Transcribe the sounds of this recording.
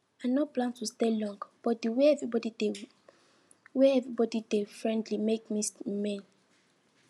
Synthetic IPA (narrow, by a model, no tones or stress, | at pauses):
ãnɔt̚plãntustelɔ̃ŋɡb̥ɔt̚duwɛɛvɹibɔdide | wɛɛvɹibɔdidefɹɛ̃ndlimekmismɛ̃n